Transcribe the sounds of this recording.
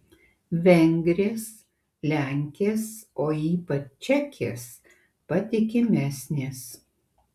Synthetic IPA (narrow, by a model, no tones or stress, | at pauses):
ʋʲɛŋʲɡɾʲeːs | lʲæˑŋʲkʲeːsoːiːpɐt͡ʃt͡ʃʲɛkʲʰḛːs | pɐt̪ʲɪkʲɪmʲæsʲnʲeːs